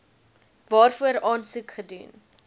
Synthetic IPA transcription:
vɑːrfuərɑːnsʉkχədun

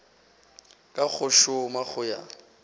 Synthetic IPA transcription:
kʼak͡xʰʊʃʊmak͡xʊja̰

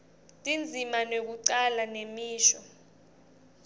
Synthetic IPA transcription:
tʼind͡zʱimanok̬uǀalanemiːʃɔ

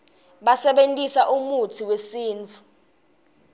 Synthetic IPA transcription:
ɓasɛɓentʼisaʔumutʰiwesiːnt͡fʰu̥

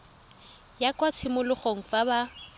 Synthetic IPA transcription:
jakʼwat͡sʰɪmʊlʊχoŋ̩faba

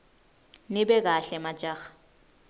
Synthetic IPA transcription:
nɪbɛk̬aɬɛmad͡ʒaːɣḁ

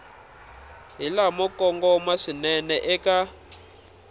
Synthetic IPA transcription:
ɦilamɔkɔŋɡɔmwaʂinɛnɛʔɛka

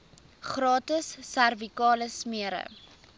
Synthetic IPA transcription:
χrɑːtəsːærvikɑːləsmiəɾə̰

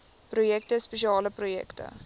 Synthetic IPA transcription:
projɛk̚təspeʃ̬iɑːləprojɛ̰ktə̰

